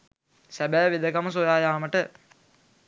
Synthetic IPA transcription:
sæbæːʋid̪əkamɐs̬ojaːjaːməʈə

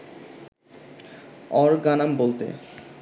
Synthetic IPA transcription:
ɔɾɡanambolt̪ḛ

